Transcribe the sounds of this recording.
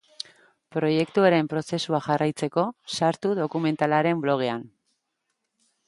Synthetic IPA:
pɾo̞je̞kt̪uaɾe̞mpɾo̞se̞suaʝarajt͡se̞ko̞saɾt̪uðo̞kume̞nt̪alaɾe̞mblo̞ɣ̞e̞an

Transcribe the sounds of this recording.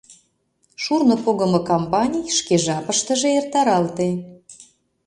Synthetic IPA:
ʃurnŏpoɣə̆mɤ̆kompɑnʲijʃkeʒɑpəʃt̪ə̆ʒeert̪ɑɾɑlt̪en

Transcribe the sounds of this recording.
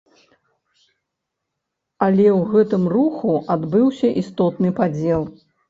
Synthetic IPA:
ɐlʲɛwɣɛt̪ɨmruxuʔad̪bɨwsʲɐʔist̪ɔt̪nɨpad͡zʲɛlˠ

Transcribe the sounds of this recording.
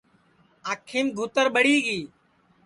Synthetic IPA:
aːkʰːiːmɡʱʊt̪əɾɓəɽiːɡiː

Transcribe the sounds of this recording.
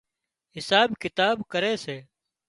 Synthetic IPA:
ɦɪsaːbkɪt̪aːbkəɾeːseː

